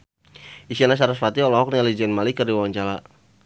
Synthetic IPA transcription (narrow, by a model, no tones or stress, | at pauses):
ʔisianas̬aɾasfat̪iɔlɔɦɔk̚nialid͡ʒɛnmalikərdiwawaɲt͡ʃala